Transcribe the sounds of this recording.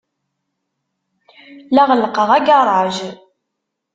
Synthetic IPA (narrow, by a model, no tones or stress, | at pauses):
laʁələqəʁæɡɑrˤɑʒ